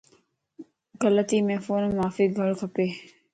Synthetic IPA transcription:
ɡələt̪iːmẽːfoːnmaːfiːɡʱəɭkʰəpeː

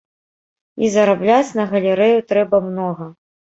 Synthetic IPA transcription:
izɐɾablʲat͡sʲnɐɣɐlʲɛɾɛjut̪ɾɛbɐmnɔɣɐ

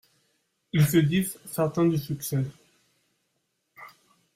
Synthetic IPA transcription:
ilsəd̪izsɛʁt̪ɛ̃d̪əsyksɛ

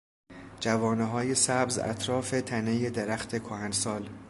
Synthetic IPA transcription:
d͡ʒævɒːneɦɒːjesæbzæ̰t̪ʰɾɒːfet̪ʰænejed̪eɾæxt̪ʰe̞kʰohænsɒːl

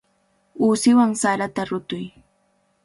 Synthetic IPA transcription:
uːsɪwaŋsaɾat̪aɾʊt̪ʊj

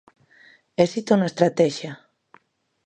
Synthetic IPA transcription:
esist̪ounaest̪ɾat̪ɛʃja

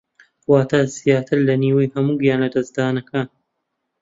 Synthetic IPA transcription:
waːt̪ʰaːz̥ijaːt̪ʰɨɾlɐniːwɐjhɐmuːɡijaːnlɐd̪ɐzd̪aːnɐkaːn

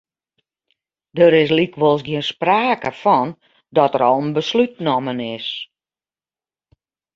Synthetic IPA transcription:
dəɾɪs̬likʋɔlˠs̬ɡiənspraːkəfɔn | dɔtəɾɔlˠənbəslyt̚nɔmənɪs

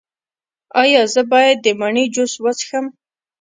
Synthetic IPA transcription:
ɑjɑzəbɑjad̪ːəmaɳid͡ʒoswət͡sxəm

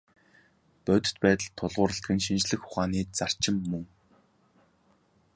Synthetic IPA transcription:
pœt̪ɵ̥̆t̪pæːt̪ə̆ɮt̪ʰːʊɮʁʊːɾə̆ɬt̪̚ɡɘ̆nʃint͡ɕɮɘ̆xʊ̥χaːniːt͡sar̥t͡ɕɪ̆mːɵŋ

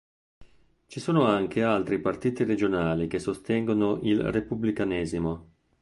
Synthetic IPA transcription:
t͡ʃisoːnoaŋkʰealt̪ɾipart̪iːt̪ired͡ʒonaːlik̟esːost̪ɛŋɡonoʔilrepublikanɛːzimo

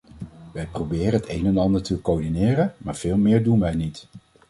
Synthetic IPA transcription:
ʋɛjprobɪːrəɦətejnɛnɑndəɹtəkoɹdinɪːrənmaːɹv̥ɪːlˠmɪːɹdunʋɛjnit

